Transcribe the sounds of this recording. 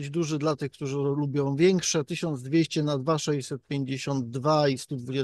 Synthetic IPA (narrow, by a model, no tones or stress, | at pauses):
d͡ʑd̪uʐɘd̪lat̪ɘxkt̪uʐɘlubʲjɔ̃w̃vʲjɛŋkʂɛt̪ɘɕɔnd̪zd̪vʲjeɕt͡ɕɛnad̪vaʂɛɕsɛt̪̚pʲjeɲd͡ʑeɕɔnd̪̚ːvaist̪ud̪vud͡ʑɛ